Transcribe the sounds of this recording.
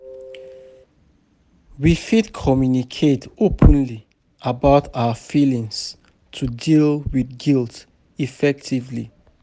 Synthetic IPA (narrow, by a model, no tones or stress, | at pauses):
wifidkʰɔmjunikʰetopʰə̃nli | ʔabaʊtʰaʊəfilĩŋs | tʰudilwiθɡilˠt | ifɛk̚tʰivli